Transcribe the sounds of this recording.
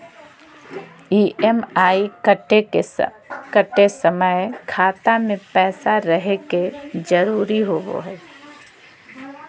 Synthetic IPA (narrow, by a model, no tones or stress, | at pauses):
iːʔɛmaːikəʈee | kəʈesəməekʰaːt̪amẽpɛːsaɾəɦeked͡ʒəɾuːɾiɦoːɡo̰ɦɛː